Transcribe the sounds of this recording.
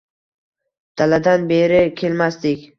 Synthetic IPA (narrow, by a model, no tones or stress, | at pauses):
d̪̥alad̪anbe̞ɾɪkʲʰe̞lmast̪ɪkʲ